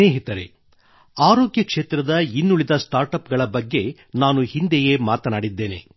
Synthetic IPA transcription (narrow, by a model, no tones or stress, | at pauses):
neːɦit̪ɐɾḛ | aːɾoːɡjɐkʂe̞ːt̪ɾɐd̪ɐinːuɭid̪ɐsʈaːɾʈɐpɡɐɭɐbɐɡːe̞ | naːnuhind̪ɛje̞maːt̪ɐnaːɽid̪ːe̞ːne̞̰